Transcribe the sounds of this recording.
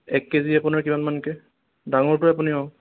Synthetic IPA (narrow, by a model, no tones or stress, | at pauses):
ɛkːeziapʊnaɹkimanmankɛ | daŋɔɹtʊapuniɔ